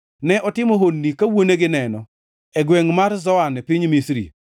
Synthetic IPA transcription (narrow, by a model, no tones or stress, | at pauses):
nɛʔɔtɪmoɦonːikawoneɡɪnɛnɔ | ɛɡweŋmarzɔanɛpiɲmisɾḭ